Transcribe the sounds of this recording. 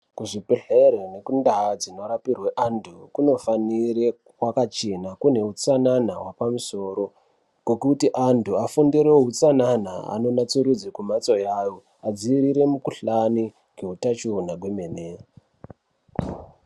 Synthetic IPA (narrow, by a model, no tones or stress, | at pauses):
kuʐipeɬeɾone̞kundaad͡zino̞ɾapirweʔantʰukuno̞fanire | wakat͡ʃenakune̞ut͡sananawapamuso̞ːɾo̞ | kwekutiʔantʰuafundiɾeɦut͡sanana̰a̰no̞nat͡suɾud͡zikumat͡sojaːjo̞ | ad͡ziːɾiɾe̞mukuɬani | keɦutat͡ʃunaɡʱwemene